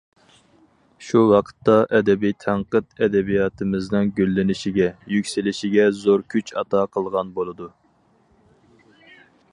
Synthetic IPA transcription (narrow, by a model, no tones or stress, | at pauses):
ʃuwɑqʰə̥t̪ːɑʔɛd̪ɛbijt̪ʰæɴqət̪ɛd̪ɛbijɑt̪ʰɨmɨznɨŋɡʲølːɪnɪʃiɡʲɛjykʲsɪlɪʃɪɡʲɛzoɾkʲʰyt͡ʃɑ̰t̪ʰɑqʰəlˠʁɑnbolˠɨd̪u